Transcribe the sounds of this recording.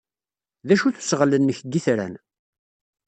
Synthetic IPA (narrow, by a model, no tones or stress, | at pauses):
ðæʃuθu̥sʁələnːəçɡiθɾæ̰n